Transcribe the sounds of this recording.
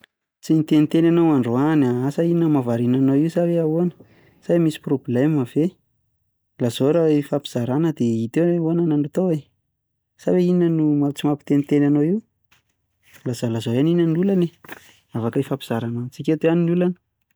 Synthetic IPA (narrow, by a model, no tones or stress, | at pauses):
t͡sinit̪enit̪enanowaɳɖ͡ʐoanaasəiinəmavaɾinanowiwsaveaoanə̥ | z̥ajmisi̥problemav̥e | laz̥oɾaifapi̥z̥aɾanəd̪eit̪ewananaɳat̪owe | saveinənumat͡simapi̥t̪enit̪enanoiw | lazolazoaninənulane | avakaifapiz̥aɾanant͡sikʲet̪eaninulanə̥